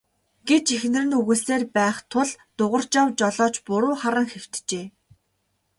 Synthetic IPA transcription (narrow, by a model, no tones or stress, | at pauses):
ɡ̥et͡ɕixnɘ̆rɘ̆nuɣuːseːrpæːχt̪ʰʊɮt̪ʊʁə̆r̥t͡ɕawt͡ɕɔɮɔːt͡ɕpʊɾʊːχaɾə̆ŋxew̥t̪t͡ɕeː